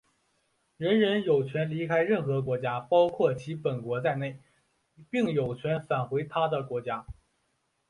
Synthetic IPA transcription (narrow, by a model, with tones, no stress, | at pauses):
ɻə˧˥nɻə˧˥njo˨˩ʊt͡ɕʰɥɛ˧˥nli˧˥kʰa˥ɪɻə˥˩nxɤ˧˥kwɔ˧˥t͡ɕja˥pɑ˥ʊkʰwɔ˥˩t͡ɕʰi˧˥pə˨˩nkwɔ˧˥t͡sa˥˧ɪne˥˩ɪ | pi˥˩ŋjo˨˩ʊt͡ɕʰɥɛ˧˥nfa˨˩nxwe˧˥ɪt̪ʰa˥d̪ə˨kwɔ˧˥t͡ɕja˥